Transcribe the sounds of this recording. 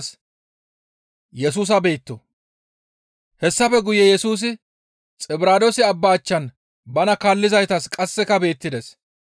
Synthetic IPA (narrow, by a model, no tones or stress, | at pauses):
s | jɛs̬uːs̬ɐbe̞ːt̪ːɔ | hɛsːɐfɛɡʊjɛjɛsuːs̬ɪ | t͡sʼɪbɪɾaːd̪ɔsɪɐbːaːt͡ʃːɐn | bɐnɐkaːlːɪzɐjt̪ɐskʼɐsːɛkɐbe̞ːt̪ːɪd̪es